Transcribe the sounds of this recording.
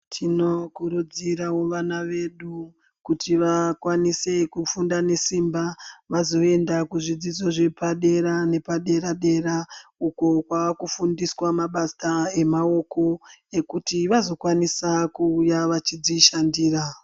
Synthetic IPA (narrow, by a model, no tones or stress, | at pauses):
tʰino̞kuɾud͡ziɾaoʋanaʋe̞ɗu | kutʰiʋakwanise̞kufundane̞simbaʋazo̞e̞ndakuʐid͡zid͡zo̞ʐe̞paɗe̞ɾane̞paɗe̞ɾaɗe̞ɾauko̞kwaakufundiswamaɓasae̞mao̞ko̞e̞kutiʋazo̞kwanisakuːjaʋat͡ʃid͡ziʃandiːra